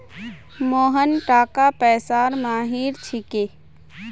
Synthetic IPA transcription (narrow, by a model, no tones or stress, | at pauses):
moːɦənʈaːkapɛːsaːɾmaːɦiːɾt͡ʃʰɪkeː